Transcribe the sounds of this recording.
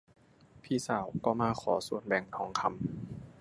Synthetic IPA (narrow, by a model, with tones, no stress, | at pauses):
pʰiː˧˥˩saː˨˩˦wkɔː˧˩maː˧kʰɔː˩˦su˨˩ənbɛː˨˩ŋt̪ʰɔː˩˦ŋkʰa˧m